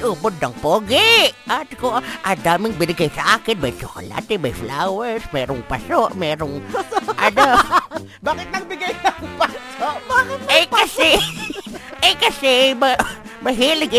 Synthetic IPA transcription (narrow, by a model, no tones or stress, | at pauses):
ʔupʊd̪ːaŋpoɡɪʔat̪koʔad̪amɪŋbɪnɪɡajsaʔaːkɪnbajt͡ʃʊko̰la̰ːt̪ɪbajflawɛɾsmɛːɾʊŋpasoʔmɛːɾʊŋʔada | baːkɪt̪̚nɐŋbɪɡajlaŋpasoʔɪakasɪ | ekasɪmamaɦilɪɡɪ